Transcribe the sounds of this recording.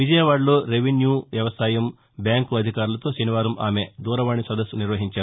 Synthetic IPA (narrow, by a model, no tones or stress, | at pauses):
ʋid͡ʒɐjɐʋaːɽloːɾeʋenjuːʋjɐʋɐsaːjɐm | bjaːŋkuɐd̪ʱikaːɾulɐt̪o̞ːʃɐniʋaːɾɐma̰ːme̞d̪uːɾɐʋaːɳisɐd̪ɐsːuniɾʋɐɦiɲt͡ʃaːu